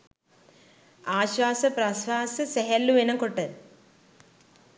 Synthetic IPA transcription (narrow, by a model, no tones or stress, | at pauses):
aːɕʋaːsɐprɐsʋaːsɨseɦɐlːuʋenɐmkoʈːɨ